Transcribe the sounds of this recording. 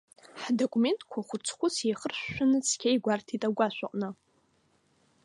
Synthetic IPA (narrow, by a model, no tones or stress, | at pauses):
ħdokʼume̞ntʼkʷʰaχʷʊt͡sʰχʷʊsʰeχərɕːʷᶣanɨt͡sʰkʲʰajɡʷartʰitʼaɡʷaʃʷᶣaqʼnɨ